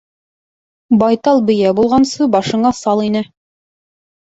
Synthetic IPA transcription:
bɑjt̪ɑlˠbɵ̆jæbulˠʁɑnsɤbɑʃɤ̆ɴɑsɑlˠinɘ

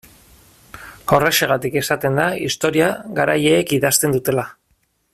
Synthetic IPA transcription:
o̞reʃe̞ɣ̞at̪ike̞sat̪e̞nd̪aist̪o̞ɾiaɣaɾaje̞ːkiðast̪e̞nd̪ut̪e̞la

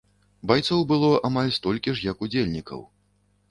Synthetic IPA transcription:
bajt̪sɔwbɨlˠɔʔamalʲst̪ɔlʲkʲiʂjɐkud͡zʲelʲnʲikɐ̰w

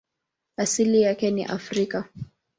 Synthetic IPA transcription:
asilijakɛnḭʔafɾika

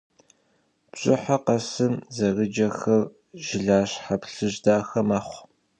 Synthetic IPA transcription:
pɕʼɪħaqɐsɨmzɐɣɨd͡ʒɐxɐr | ʒ̥ɪɮaːɕħapɬɨʑdaːxɐmaːχʷ

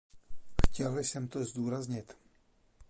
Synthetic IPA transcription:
xcɛlsɛmt̪ozd̪uːɾazɲɪt̪

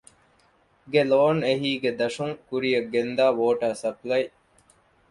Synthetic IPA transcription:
ɡeloːneɦiːɡed̪ɐʂuŋkuɾijɐɡːend̪aːʋoːʈaːsɐplɐj

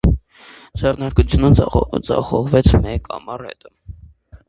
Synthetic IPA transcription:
d͡zɛrnɑɾkut͡sʰjunəd͡zɑ̰χɔʁvɛt͡sʰmɛkɑ̰mɑrhɛ̰t̪ə

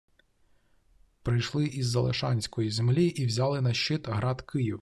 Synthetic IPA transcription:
pɾɪjʃlˠɪʔizːɐlˠḛʃɑnʲsʲkɔjizemlʲiʔiwzʲɑlˠɪnɐʃt͡ʃɪt̪ɦɾɑt̪kʰɪjiw

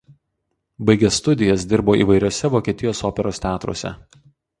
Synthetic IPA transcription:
bɐɪɡʲɛsːt̪ʊd̪ʲɪjɛsd̪ʲɪɾboːʔḭːʋɐɪɾʲoːsʲɛʋoːkʲiɛt̪ʲɪjoːsoːpʲɛɾoːst̪ʲæːt̪ɾo̰ːsʲɛ̰

